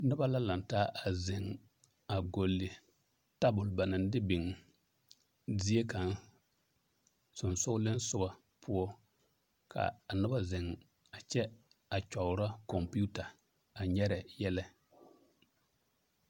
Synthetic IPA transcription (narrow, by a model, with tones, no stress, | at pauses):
nʊ˦ba˦la˦la˨ntaː˦ʔa˨zɪ˨ŋ | a˨ɡo˨lːɪ˨ | ta˦bʊ˨lba˨nɪ˨n˦dɪ˦bɪ˨ŋ˨ | di˦e˦ka˨n | sʊ˨nsʊ˦lɪ˦nsʊ˦ba˨ | pʰʊ˦ɔ˦ | kʰa̰˨nʊ˦ba˦zɪ˨ŋ | a˨t͡ʃɛ˦ | a˨t͡ʃɔ˨ʊ˨ɾa˦kɔ˨mpu˦ta˨ | a˨ɲɛ˦ɾɛ˨jɛ˦lɛ˦